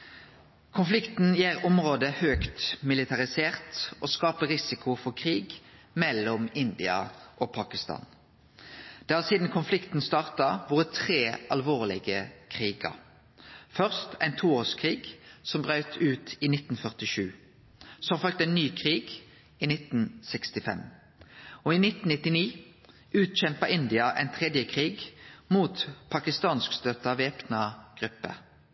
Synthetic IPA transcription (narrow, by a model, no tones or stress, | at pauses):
kʰʊnflɪkt̪n̩jeːʁʊmʁoːd̪əhøːkt̪mɪlɪt̪ʰɑʁɪseːʁt̪ʔoːskɑːpəʁɪsɪkʰʊfɔʁkʰʁiːɡ | mɛlɔmɪnd̪ɪɑ̰ʔopʰɑːkɪst̪ɑ̰ːn | d̪̥eːɑʁsiːd̪n̩kʰʊnflɪkt̪n̩st̪ɑːʁt̪ɑʋoːʁət̪ʰʁeːʔɑlʋoːʁlɪ̰ɡəkʰʁiːɡə̰ʁ | fœʁst̪ʰæɪnt̪ʰuːoːʁskʰʁiːɡsɔmbʁœʏt̪ʰʉːt̪ʰiːnɪt̪n̩fœʁt̪ɪʃʉː | sɔmɑfœlk̚t̪æɪnːyːkʰʁiːɡ | iːnɪt̪n̩sɛkst̪ɪfɛ̰m | ɔiːnɪt̪n̩ɪt̪ːɪniː | ʉːt̪c͡çɛmpəɪnd̪ɪɑʔæ̰ɪnt̪ʰʁɛd̪jəkʰʁiːɡmuːt̪pʰɑkɪst̪ɑːnskst̪œt̪ɑʋeːpnɑɡ̥ʁʉpːə̰